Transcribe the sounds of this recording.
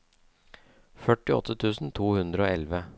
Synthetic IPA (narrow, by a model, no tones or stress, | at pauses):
fœʈːɪɔ̰t̪ʰːət̪ʰʉːsn̩t̪ʰuːhʉnd̪ɾəoːɛlʋə